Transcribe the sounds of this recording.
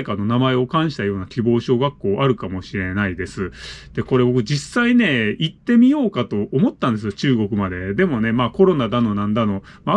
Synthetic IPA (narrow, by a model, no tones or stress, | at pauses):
ekano̞namae̞o̞kãɰ̃ɕi̥t̪ajo̞ːnakʲibo̞ːɕo̞ːɡakːo̞ːʔaɾɯ̟kamo̞ɕiɾe̞naid̪e̞sɨd̪̥e̞ko̞ɾe̞bo̞kɯ̟d͡ʑisːaine̞it̪ːe̞mʲijo̞ːkat̪o̞ʔːmo̞t̪ːãnd̪e̞s̬ɨjot͡ɕɨːɡo̞kɯ̟mad̪e̞d̪e̞mo̞ne̞maːko̞ɾo̞nad̪ano̞nãnd̪ano̞ | ma